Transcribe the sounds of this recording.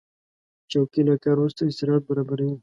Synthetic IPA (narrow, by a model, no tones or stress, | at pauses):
t͡ʃawkilakaɾust̪aɪst̪ɪɾɑʈ̪̚baɾɑbaɾawi